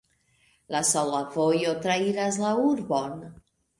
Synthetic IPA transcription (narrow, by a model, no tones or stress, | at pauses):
lasolavojot̪ɾaiɾas̬lauɾbon